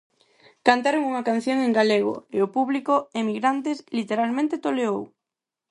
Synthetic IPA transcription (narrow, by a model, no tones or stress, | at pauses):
kant̪aɾoŋuŋakan̟θjoŋẽŋɡaleɣ̞o̰eopuβlikoemiɣɾant̪eslit̪eɾalmẽnt̪et̪oleow